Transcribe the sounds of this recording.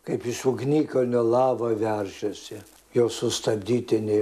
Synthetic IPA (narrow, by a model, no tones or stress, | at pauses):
kɐɪpɪʃʊɡnʲiːkɐnʲolˠɑːʋɐʋʲɛrʲʃʲɛsʲɪ | joːsʊst̪ɐbʲd̪ʲiːt̪ʲɪnʲɛ